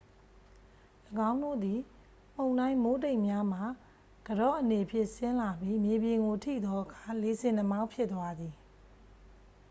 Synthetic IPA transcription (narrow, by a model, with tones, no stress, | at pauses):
ləɡã˦ʊ̃ndo̰˦˨d̪i˨ | m̥õ˨ʊ̃nã˦ɪ̃mo˦te˦ɪʔmja˦m̥a˨ | ɡ̥ədɔ̰˦˨ʔəne˨pʰjɪ̃˦˨ʔsɪ̃˦la˨bji˦mje˨bjɪ̃˨ŋɡo˨tʰḭ˦˨d̪ɔ˦ʔəkʰa˨le˨˦zɪ̃˨nə˨ma˦ʊ̃pʰjɪ˦ʔ̪t̪ːwa˦d̪ði˨